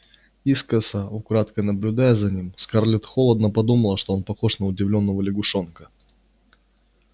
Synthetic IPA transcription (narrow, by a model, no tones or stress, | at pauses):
iskəsəʊkɾat̪kənəblʲʊd̪ajɛzɐnʲimskɐrlʲot̪xolˠəd̪nəpɐd̪uməlˠəʂt̪o̞onpɐxo̞ʂnəʊdʲɪvlʲo̞nːəvəlʲɪɡʊʂonkə